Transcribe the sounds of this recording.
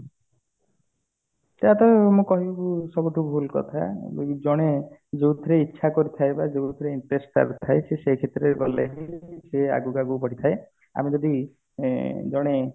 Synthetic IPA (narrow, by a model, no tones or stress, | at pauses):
t̪eat̪ɔmũkɔɦibbusɔbuʈʰubʱulkɔ̰t̪ʰa̰d͡ʒɔɽ̃ed͡ʒeud̪ʱɔɾeitːʃʰakɔɾit̪ʰajbad͡ʒeud̪ʱɔɾeiɳʈɾesʈa̰ɾut̪ʰaesesekʰet̪ɾeɾbɔlḛɦisea̰ɡuɡaɡupɔɽit̪ʰae | a̰med͡ʒɔd̪i | d͡ʒɔɽ̃e